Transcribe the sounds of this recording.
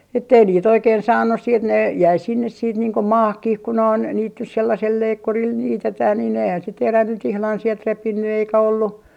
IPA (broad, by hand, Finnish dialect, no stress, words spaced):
etːei niːt oikeːn sɑːnːus siːt ne jæi sinːes siːt niːŋ ko mɑːhkih ku noin niːt nys selːɑsel leikːuril niːtetæː niːn eihæn se teræ nyt ihlɑn sielt repinːy eikæ olːu